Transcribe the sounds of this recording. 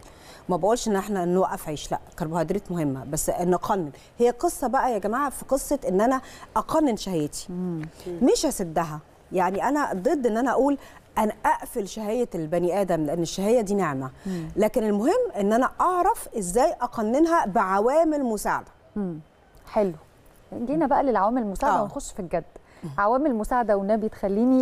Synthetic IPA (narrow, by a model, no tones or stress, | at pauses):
mæbæʔuːlʃʔenːʔeħnænːwæʔːæfʕeːʃlæ̰ʔkɑɾˤbohæːd̪ɾit̪mohemːæ̰bæsːʔenːʔqʰɑnːen | hejːæqesˤːɑbæʔæjæɡæmaːʕafiqesˤːɑt̪ʔenːʔænæʔɑqɑnːenʃæhejːet̪i̥ | meʃhæsed̪ːæɦæ | jaʕniʔænæd̪ˤed̪ˤːʔenːʔænæʔæʔuːl | ʔænæʔæʔfelʃæhæjælbæniʔæːd̪æmleʔenːeʃːæhejːæd̪iːneʕmælæːkenelmoɦemːʔenːʔænæʔɑʕɾˤɑfʔezːæːjʔɑqɑnːenɦæbeʕawæːmelmosaːʕa̰d̪æ̥ | mː | ħelwo | nɡiːnæbæʔælelʕawæːmelelmosaːʕdæwenxoʃːfilɡæd̪ː | ʕawæːmelmosaːʕad̪æwenːæbejet̪xælːiːni